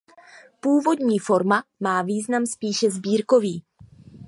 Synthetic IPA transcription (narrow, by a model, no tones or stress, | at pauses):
puːvo̞dɲiːfo̞ɾmamaːviːznamspiːʃɛzbiːɾko̞viː